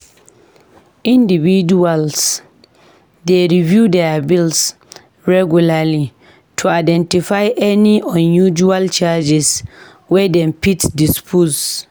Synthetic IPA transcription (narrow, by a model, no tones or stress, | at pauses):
ĩndividuals | deɹivjudɛabils | ɹɛɡjulali | tʰuaɪdɛ̃ntifaɪʔɛniʔɔ̃njud͡ʒualt͡ʃad͡ʒɛs | wɛdɛ̃mpitdispʰus